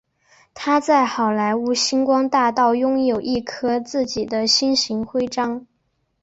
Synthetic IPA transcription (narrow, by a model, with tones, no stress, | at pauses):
t̪ʰa˥t͡sa˥˩ɪxɑ˨˩ʊla˧˥ɪu˧˥ɕi˥nkwɑ˥ŋt̪a˥˧t̪ɑ˥˩ʊjʊ˥ŋjo˨˩ʊʔi˥˩kʰɤ˥t͡sɹ̩˥˩t͡ɕi˨˩d̪ə˦ɕi˥nɕi˧˥ŋxwe˥ɪʈ͡ʂɑ˥ŋ